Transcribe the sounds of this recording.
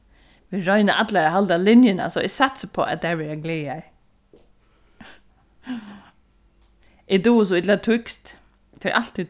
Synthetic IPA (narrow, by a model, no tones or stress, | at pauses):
ʋɪɹɔʏnəʔad̪laɾaɦald̪alɪnjəna̰sɔɪsat̪səpʰɔ̰ːʔæ̰t̪̚d̪æʋɛɾaɡleːaj | ʔɪd̪uːs̬ɔɪd̪lat̪ʰʏkst̪ | t̪ʰːɾʔal̥t̪ʰːi